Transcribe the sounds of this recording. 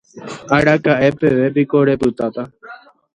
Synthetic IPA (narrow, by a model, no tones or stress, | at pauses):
aɾakaʔe̞pe̞ʋe̞p̬iko̞ɾe̞pɨt̪at̪a